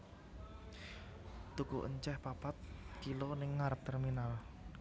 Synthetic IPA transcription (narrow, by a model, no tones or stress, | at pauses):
t̪ukuʔəɲt͡ʃɛhpapat̪̚kilonɪŋːaɾəp̚t̪ɛrminal